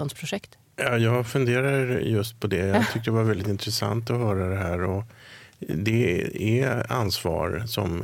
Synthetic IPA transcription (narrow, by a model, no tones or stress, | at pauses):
ɔnspʰɾʊʂɛkt̪ | jɑːjɑːɡfɵnd̪eːɾaɾjɵst̪̚pʰɔd̪ɛjɑɡt̪ʰʏkt̪əd̪ɛvaɾvɛld̪ɪt̪ɪnt̪ɾɛsa̰nt̪ɔɦœːɾad̪ɛɦæːɾɔ | d̪ɛɛa̰nsvɑ̰ːɾsɔ̰m